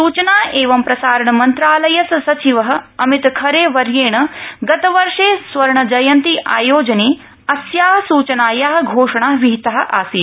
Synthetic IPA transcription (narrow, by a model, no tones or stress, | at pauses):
suːt͡ʃɐnaːʔeːʋɐmpɾɐsaːɾɐɳɐmɐnt̪ɾaːlɐjɐssɐt͡ʃiʋɐɦɐ̆ɐmit̪kʰɐɾeːʋɐɾjeːɳɐɡɐt̪ɐʋɐɾʂeːsʋɐɾɐɳɐd͡ʒɐjɐnt̪iʔa̰ːjoːd͡ʒɐneː | ɐsjaːɦɐsuːt͡ʃɐnaːjaɦɐ̆ɡʱoːʂɐɳaʋiɦit̪ɐɦɐ̆ʔaːsiː